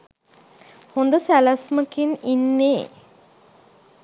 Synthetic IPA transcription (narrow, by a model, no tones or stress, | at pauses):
hond̪əsælasməkininːeː